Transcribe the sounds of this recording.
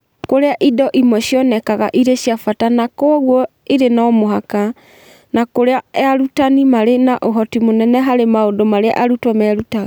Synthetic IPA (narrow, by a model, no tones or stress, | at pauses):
koɾeaʔidɔʔimwɛɕjɔnɛkaɣa̰ʔiɾeɕjafatanakoɣwɔ | iɾenaɔmoɦaka | nakoɾeaɛaɾutanimaɾenaʔoɦɔtimonɛnɛɦaɾemaondomaɾea̰ʔaɾutwɔmɛːɾutaɣa